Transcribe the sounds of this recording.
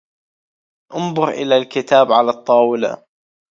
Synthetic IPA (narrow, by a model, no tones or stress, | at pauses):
ʔʊnðˤʊɾʔɪlalkɪt̪aːbʕalat̪ˤːɑːwɪla̰